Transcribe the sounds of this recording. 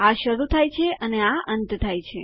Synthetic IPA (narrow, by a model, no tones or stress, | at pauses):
aʃəɾut̪ʰajt͡ʃʰeʔəneaʔənt̪t̪ʰajt͡ʃʰe